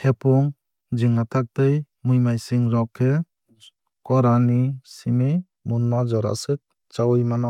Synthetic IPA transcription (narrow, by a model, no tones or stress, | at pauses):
hepʰɔŋ | d͡ʒiŋatʰak̚tɯj | mujmajsiŋɾɔkʰːe | kɔɾanisimi | munmazɔɾa̰sɯk̚ | t͡ʃawjmana